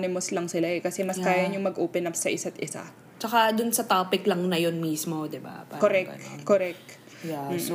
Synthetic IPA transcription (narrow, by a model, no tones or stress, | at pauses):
nɪmoslɐŋsɪlaɛkɐsɛmɐskaːjɐɲʊŋmɐɡʔoːpɛnɐpsːɐʔɪsat̪ɪsa̰ | t͡ʃɐkad̪ʊnsɐt̪aːpɪklɐŋnɐjonmiːsmo̞d̪ɪba̰pakoɾɛk̪koɾɛk̚t̪ | jɛm̩ː